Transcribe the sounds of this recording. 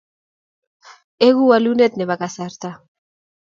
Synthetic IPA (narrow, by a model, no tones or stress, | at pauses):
eɣualunet̪neβakasaɾt̪a